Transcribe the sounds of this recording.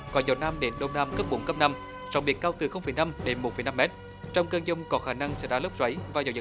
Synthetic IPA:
kɔ˨˦zə˨˩wnaː˧mɗe˨˦nɗə˧wnaː˧mkə˦˥p̚ɓu˨˦nkə˦˥p̚na˧m | t͡ɕɔ˨˦ŋ͡mɓi˦˥ək̚ːaː˧wt̪ɨ˨˩xə˧wŋ͡mfə˨˩jna˧mɗe˨˦nmo˨˩t̚fə˨˩jna˧mːɛ˦˥t̚ | t͡ɕɔ˧wŋ͡mkəː˧ŋzʊ˧ŋ͡mkɔ˨˦xaː˧˩na˧ŋsɛ̰˧˥ɗa̰˧˥lə˦˥p̚zwə˨˦jvaː˨˩zəː˨˩zɨ̰˨˩

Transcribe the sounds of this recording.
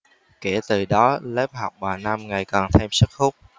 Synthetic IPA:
ke˧˩t̪ɨ˨˩ɗɔ˨˦ləː˦˥p̚ha˨˩wk͡p̚ɓaː˨˩na˧mŋa˨˩jkɔ˨˩nt̪ʰe˧msɨ˦˥k̚xʊ˦˥k͡p̚

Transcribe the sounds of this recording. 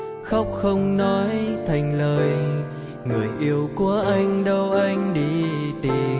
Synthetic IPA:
xa˦˥wk͡p̚xə˧wŋ͡mnɔ˨˦jt̪ʰa˨˩jŋ̟ləː˨˩j | ŋɨ˨˩əjʔi˧əwku˧˩əʔa˧jŋ̟ɗə˧wʔa˧jŋ̟ɗi˧˩t̪i˨˩

